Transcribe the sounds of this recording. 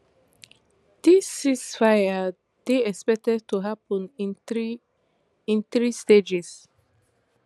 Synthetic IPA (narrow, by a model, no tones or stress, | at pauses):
d̪̥isisfajə | d̪eɛspɛk̚tɛd̚t̪uɦapə̃nĩni | ɪ̃nθɹist̪ed͡ʒis